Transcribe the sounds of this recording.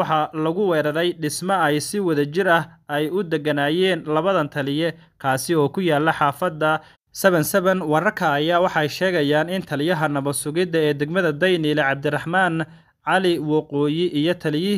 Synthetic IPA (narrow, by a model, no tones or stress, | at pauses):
wɑħɑlɐɣʊwɛːɾɐɾɛjɖɪsmɐɛjsɪwɐðɐt͡ʃɪɾɐh | ɛjʊd̪ɛɡɐnaːjɛːnlɐβɐðɐnt̪ʰɐlɪjɛ | kʰaːsɪɔːkʰʊjaːlːɐħɑːfɐd̪ːɐ | sɐβɐnsɐβɐnwɐɾɐrkʰɐːjaːwɑħɑɛjʃɛːɣɐjaːnɪnt̪ʰɐlɪjɐɦɐnɐβɐsʊɣɪðɐɛːd̪ɛɡmɐðɐd̪ɐjniːlɛʕɑb̚d̪ɪrɑħmaːn | ʕɑlɪwɑqɔːjɪʔijɞt̪ʰɐlɪjɪ